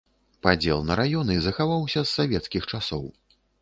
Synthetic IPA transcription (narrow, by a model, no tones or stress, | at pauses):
pad͡zʲɛlˠnɐɾajɔnɨzɐxavawsʲɐsːavʲɛt̪skʲixt͡ʂasɔw